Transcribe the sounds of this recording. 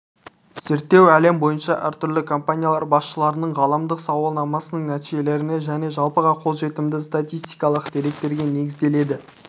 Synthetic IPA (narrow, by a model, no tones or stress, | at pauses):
z̥eɾt̪ːe̞wæle̞mbo̞jənʃɑʔæ̰ɾt̪ʰʏɾlɪkʰompanʲijalˠɑɾbɑsʃəlˠɑɾənəɴʁɑlˠɑmd̪əqsɑwɑlˠnɑmɑsənəɴnæt̪iʒe̞le̞ɾɪne̞ʒæne̞ʒɑlˠpəʁɑqʰo̞zʒe̞t̪ɪmd̪ɪst̪at̪ijst̪ijkɑlˠəqd̪̥e̞ɾe̞k̚t̪e̞ɾɡʲe̞ne̞ɡʲɪzd̪e̞le̞d̪ɪ